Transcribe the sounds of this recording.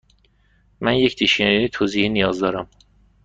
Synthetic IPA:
mænje̞cʰt̪d̪ʰiʃieet̪ʰoːziːhinijɒːzd̪ɒːɾæm

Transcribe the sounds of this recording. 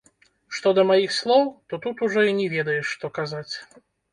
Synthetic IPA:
ʂt̪ɔd̪ɐmajixslˠɔwt̪ɔt̪ut̪uʐɔinʲɛvʲɛd̪ɐjɛʂʂt̪ɔkazat͡sʲ

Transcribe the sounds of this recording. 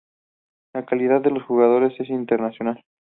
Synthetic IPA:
lakaliðaððe̞lo̞sxuɣað̞o̞ɾe̞se̞s̬int̪eɾnasjo̞nal

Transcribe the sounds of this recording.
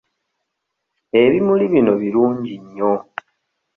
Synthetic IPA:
e̞βimuliβino̞βiɾuːɲɟiɲːo̞

